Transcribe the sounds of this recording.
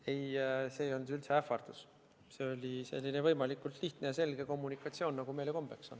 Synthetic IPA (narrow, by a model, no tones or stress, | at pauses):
e̞jse̞ːjo̞nylt̪seæfˑɑrd̪̥us | se̞o̞lʲise̞̰lʲːinevɤjmɑlikːˑult̪liht̪nejɑse̞lɡ̥e̞ko̞mːunikːˑɑt̪sio̞ːnːɑɡ̥ume̞jleko̞mb̥e̞kso̞̰n